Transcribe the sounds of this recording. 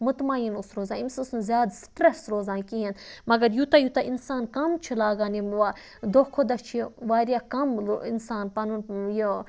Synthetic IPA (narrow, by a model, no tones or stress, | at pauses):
mut̪maːjinusɾoːzaːimsusnuzʲjaːd̪sʈɾɐsɾoːzaːnkiɦenmɐɡɐɾjut̪ajut̪ɐʔinsaːnkɐmt͡ʃʰilaːɡaːniʋa | d̪okʰod̪ɐt͡ʃʰʋaːɾʲjakɐmḭnsaːnpɐnunjo